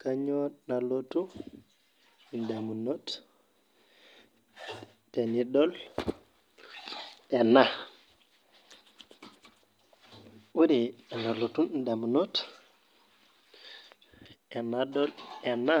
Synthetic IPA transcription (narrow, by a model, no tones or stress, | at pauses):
kaɲonalotu | ndamunot | tenidɔl | ɛna | wuɾianalotundamunot | ɛnadɔlɛna